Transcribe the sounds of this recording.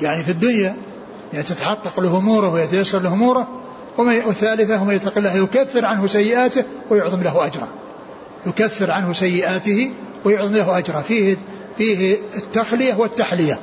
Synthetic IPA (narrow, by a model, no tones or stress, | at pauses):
jaʕnifid̪ːʊnja | jaʕnit̪ɪt̪aħɑqːɑqlɪhʊmuːɾɪhwɪjat̪ajasːɑɾˤlɪhʊmuːɾˤʊ | wmawɪθːaːlɪθahʊmajat̪ːɑqɪlːahjʊkaθːɪɾʕanɦʊsajːɪʔaːt̪ɪ | wɪjʊʕðˤɨmlahʔad͡ʒɾˤɑ̰ | jʊkaθːɪɾʕanhʊsajːɪʔaːt̪ɪhi | wɪjʊʕðˤɨmlahʔad͡ʒɾˤɑfiːh | fiːhɪt̪ːaxlɪjawɪt̪ːaħlɪja